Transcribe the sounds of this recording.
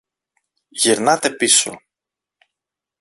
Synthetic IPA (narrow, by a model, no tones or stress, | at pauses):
ʝiɾnɐt̪e̞piso̞̰